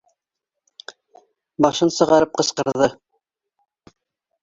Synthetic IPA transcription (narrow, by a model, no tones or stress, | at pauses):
bɑʃɤnsɤ̆ʁɑɾɤp̚qɤ̆sqɤ̆ɾððɤ